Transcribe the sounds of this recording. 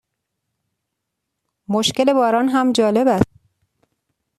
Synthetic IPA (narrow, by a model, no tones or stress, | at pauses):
moʃce̞le̞bɒːɾɒːnɦæmd͡ʒɒːle̞bæst̪